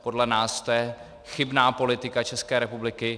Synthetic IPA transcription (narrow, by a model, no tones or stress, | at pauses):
po̞dlɛnaːst̪ojɛ | xɪbnaːpo̞lɪt̪ɪkat͡ʃɛskɛːɾɛpublɪkɪ